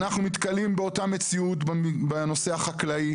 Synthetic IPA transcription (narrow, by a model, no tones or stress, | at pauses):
naχnumit̪kɐalimbeo̞tame̞t͡siut̪beno̞se̞aχaklai